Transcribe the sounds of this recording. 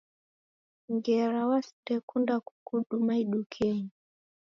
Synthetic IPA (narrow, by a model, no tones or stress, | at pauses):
ŋɡɛɾawastɛkundaku̥kuɗumaiɗukʰɛɲi